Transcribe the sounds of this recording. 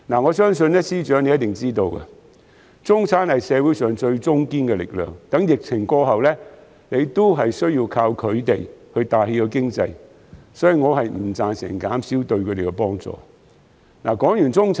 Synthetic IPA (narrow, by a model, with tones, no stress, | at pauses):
naː˨˩ŋɔ˨˧sœː˥ŋsɵ˧nɛ˥siː˥t͡ʃœː˨˥ŋle˨˧jɐ˥t̪ɪ˨˩ŋt͡siː˥t̪o˧wkɐ̰˧ | t͡sʊ˥ŋt͡sʰaː˨˥nhɐ˨jsɛː˨˧wuː˨˥sœː˨˩ŋt͡sɵ˧ɥt͡sʊ˥ŋkiː˥nkɛ˧lɪ̰˨k̚lœ̰ː˨ŋt̪ɐ˨˥ŋjɪ˨k̚t͡sʰɪ˨˩ŋkɔː˧ɦɐ˨wlɛː˥ | ne˨˧jt̪o˥wɦɐ˨jsɵ˥ɥjiː˧wkʰaː˧wkʰɵ˨˧ɥt̪e˨jhɵ˧ɥt̪aː˨˩he˧jkɔ˧kɪ˥ŋt͡sɐ̰˧j | sɔː˨˥ji˨ŋɔː˨˧ɦɐ˨jm̩˨˩t͡saː˨nsɪ̰˨˩ŋkaː˨˥msiː˨˥wt̪ɵ˧ɥkʰɵ˨˧t̪e˨˩kɛ˧pɔː˥ŋt͡sɔ̰ː˨ | naː˨˩kɔː˨˥ŋjyː˨˩nt͡sʊ˥ŋt͡sʰ